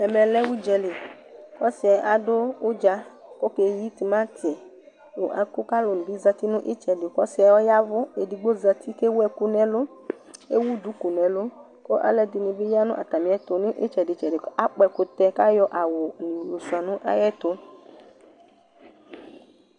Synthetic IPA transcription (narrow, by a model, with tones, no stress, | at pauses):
ɛ˨mɛ̃˨lɛ˦wu˦d͡ʒɛ˨le˨ | kɔ˦si˨˦a˨ʔa˨ɖo˦wo˦d͡ʒa˦ko˦ke˨ji˦t̪i˨mã˦t̪ʰi˨ɛ˨ | wo˨ʔa̰˨ku˦ka˦lo˨nũ˨bi˦za˦t̪i˦nũ˦ʔe˦t͡ʃɛ˨ɖe˨kɔ˦si˨˦a˨wo˦ja˦vo˦e˨di˨ɡ͡bo˦za˦t̪i˦ke˦wo˦ɛ˨ku˦nɛ̃˨lo˦ | e˦wu˦d̪u˨˦ku˨nɛ̃˨lo˦ | ko˦ʔa̰˦lɛ˦d̪i˨nĩ˨ve˦ja˦nũ˦ʔa̰˨t̪a˨mĩ˨˦ɛ˦t̪o˨nẽ˦ʔe˦t͡ʃɛ˨ɖe˨t͡ʃɛ˨ɖe˨˦a˦k͡pɛ˨ko˨t̪ɛ˦ka˦jɔ˦ʔa˨wo˨nĩ˨wjo˨su˨a˨nũ˦ʔa̰˦jɛ˦t̪o˦